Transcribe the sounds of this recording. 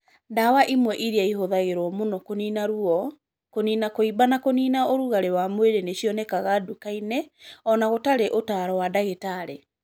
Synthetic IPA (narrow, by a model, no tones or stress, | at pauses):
ndawaʔimwɛʔiɾiaiɦoðaɣeɾwɔmonɔkoniːnaɾuɔ | koniːnakoibanakoniːnaoɾuɣaɾewamweɾeneɕjɔnɛkaɣadukainɛɔnaɣotaɾeʔotaɾɔwadaɣetaɾe